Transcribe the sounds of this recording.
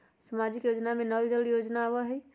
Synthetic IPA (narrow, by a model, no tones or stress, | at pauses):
səmad͡ʒikjod͡ʒnamenəld͡ʒəljod͡ʒnaːbəɦəj